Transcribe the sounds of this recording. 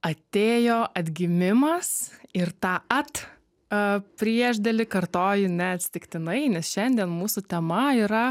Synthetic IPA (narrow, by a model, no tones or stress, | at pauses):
ɐt̪ʲeːjoːʔɐd̪ʲɡʲɪmʲɪmɐsɪɾt̪ɑːɐt̪ | pʲɾʲiɛʒʲd̪ʲɛlʲɪkɐrt̪oːjʊnʲɛɐt̪sʲɪ̥t̪ʲɪkt̪ʲɪnɐɪnʲɛsʃʲɛnʲd̪ʲiɛnmuːsʊt̪ʲɛmɐiːɾɐ